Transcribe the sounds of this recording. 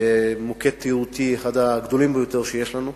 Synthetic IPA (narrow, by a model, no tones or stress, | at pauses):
emoket̪ːiʁut̪ieχad̪aɡd̪olimbejot̪eʁʃejeʃlanu